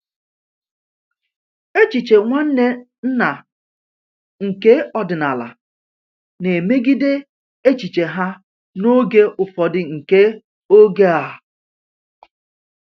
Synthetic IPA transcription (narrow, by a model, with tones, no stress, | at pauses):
e˦t͡ʃi˨t͡ʃe˨ŋʷa˦n̩˦ne˦ | n̩˦na˨ | ŋ̩˨ke˦ɔ˦dɪ˨na˨la̰˨ | ne˨me˦ɡi˦de˦ | e˦t͡ʃi˨t͡ʃe˨ɦa˦ | no˦ɡe˦ʔʊ˨fɔ˨dɪ˨ŋ̩˨ke˦ | o˦ɡe˦a˨